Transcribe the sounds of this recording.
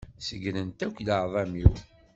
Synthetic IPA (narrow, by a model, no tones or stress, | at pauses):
səɡnənt̪ækʷːləʕðˤɑmiw